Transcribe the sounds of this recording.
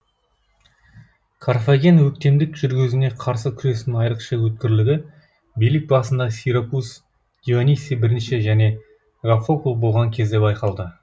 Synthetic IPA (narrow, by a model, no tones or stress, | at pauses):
kʰaɾfaɡʲenwɵk̚t̪e̞md̪ɪkʒ̥ʏɾɡʲɪzɪne̞qʰɑɾsəkʲʰʏɾe̞sɪnɪŋɑjɾəqʃəwɵt̪̚kʲɪɾlɪɡʲɪ | bijlɪk̚bɑsənd̪ɑsʲijɾopus | ɡ̥ʲevanʲisijbɪɾɪnʃɪʒæne̞ | ʁafokulˠbo̞lˠʁɑŋkʲʰe̞zd̪e̞bɑjqɑlˠd̪ə